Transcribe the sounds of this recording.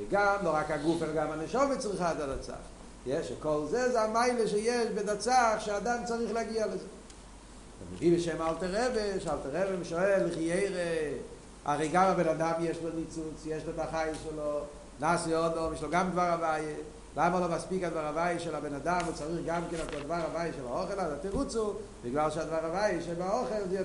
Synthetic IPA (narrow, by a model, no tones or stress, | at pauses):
ɡamloʁakaɡufɛlaɡamanəʃɔmet͡sʁiχatadat͡sa̰χ | jɛʃekɔlzezeamaɪleʃɛjɛʃbedat͡saχʃeadant͡saʁiχlɛaɡialezɛ | ɛ̰mḛvibɪʃɛmalˠtəʁɛbeʃalˠtəʁɛvemʃoɛlɪχijeɪʁe | aʁeɪɡamabenadamjɛʃlonit͡sut͡sjɛʃlotaχajɪʃɛlo | naːsiɔdɔmjeʃloɡamdvaʁavaje | lamalˠomaspikadvaʁavajəʃɛlabenadamot͡saʁiχɡamkɛnatadvaʁavajəʃɛlaɔχelaatiʁut͡subɪɡlalˠʃeadvaʁavajeʃɛbaɔχelzɛ